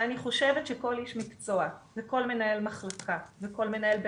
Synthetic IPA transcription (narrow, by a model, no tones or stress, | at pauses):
aniχo̞ʃevetʃeko̞liʃmikt͡so̞aveko̞lme̞naelmaχlakʰaveko̞lmenaelb